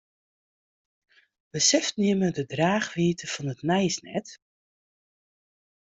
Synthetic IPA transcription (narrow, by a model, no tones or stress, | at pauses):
bəsɛftniəmədədraːχʋiətəfɔnətnɛjsnɛ̰t